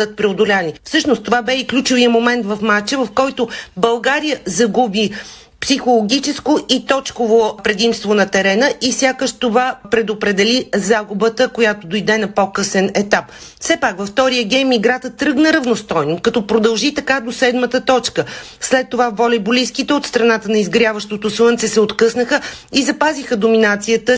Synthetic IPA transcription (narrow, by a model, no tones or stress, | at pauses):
d̪ət̪̚pɾɛod̪ʊlʲanifsɤʃnost̪ːovabɛiklʲut͡ʃʊvijəmomɛnt̪vɐfmat͡ʃɛvɐfkɔjt̪ʊbɐlˠɡaɾijəzɐɡubi | psixolˠoɡʲit͡ʃɛskoit̪ɔt͡ʃkovopɾɛd̪imst̪vonɐt̪ɛɾɛnəʔifsʲjakəʃt̪ovapɾɛd̪opɾɛd̪ɛlizaɡubət̪əkojat̪od̪ojd̪ɛnɐpɔkɤsɛnɛt̪apfsɛpakvəft̪ɔɾijəɡʲɛjmiɡɾat̪ət̪ːɾɤɡnəɾɐvnost̪ɔjnokɐt̪ɔpɾod̪ɐlˠʒit̪ɐkad̪osɛd̪mət̪ət̪ɔt͡ʃkəslɛt̪ːovavɔlʲɛboliskit̪ɛot̪st̪ɾɐnat̪ənɐizɡɾjavəʃt̪ot̪oswɤnt̪sɛsɛot̪kɤsnəxəizɐpazixəd̪ominat̪sijət̪ə